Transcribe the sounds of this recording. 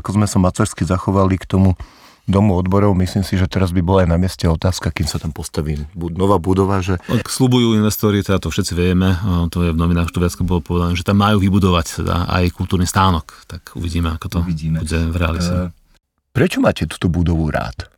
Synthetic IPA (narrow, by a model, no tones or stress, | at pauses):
akɔzmɛsamat͡saɾskizaxɔʋalikt̪ɔmu | d̪ɔmuɔd̪bɔɾɔʊmisliːmsiʒɛt̪ɛɾazbibɔlaajnamɪɛscɛɔt̪aːskakiːmsat̪ampɔst̪aʋiːmbunɔʋaːbud̪ɔʋaʒɛakslubujuːinʋɛst̪ɔɾit̪ɛd̪at̪ɔfʃɛt̪t͡siʋɪɛmɛt̪ɔjɛvnɔʋinaːxt̪ɔʋɪat͡skɔbɔlɔpɔʋɛd̪anɛːʒɛt̪amːajuːʋibud̪ɔʋact̪ɛ̰d̪a̰a̰jkulˠt̪uːɾniːst̪aːnɔkt̪akṵʋiɟiːmɛakɔt̪ɔbuɟɛvɾɛa̰lit̪ɛ | pɾɛt͡ʃɔmaːcɛt̪u̥ːt̪ɔbud̪ɔʋuɾa̰ːt̪